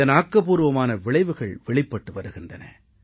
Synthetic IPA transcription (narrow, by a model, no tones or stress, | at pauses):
ɐnaːkːɐpuːɾɯʋɐmaːnɐʋɪɭɐɪʋɯɣɐɭʋɛɭɪpːɐʈːɯʋɐɾɯɣɪndrɐnɐ̰